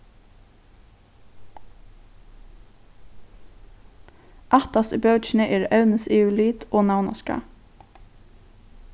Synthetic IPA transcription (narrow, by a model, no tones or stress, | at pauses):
ʔɑt̪ɑsbœʉt͡ʃnəʔeːɾœʉnəseːʉliːt̪ʔoːnɑʊnɑ̰skɑ̰